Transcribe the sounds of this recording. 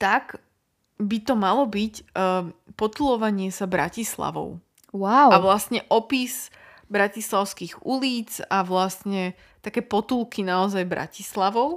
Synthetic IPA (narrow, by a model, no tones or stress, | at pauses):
t̪aɡ | bit̪ɔmalɔbicː | pɔt̪ulɔʋaɲɪɛsabɾacisla̰ʋɔ̰ʊ | wawaʋlast̪ɲɛʔɔpiz | bɾacislaʊskiɣuliːt͡saʋlast̪ɲɛ | t̪akɛːpɔt̪ulˠkinaɔzajbɾa̰cislaʋɔʊ